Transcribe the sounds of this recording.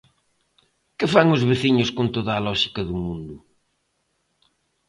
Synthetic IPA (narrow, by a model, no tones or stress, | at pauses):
kɪfaŋʊzβeθiɲʊskont̪oðaːlɔʃikɐðumũnd̪ʊ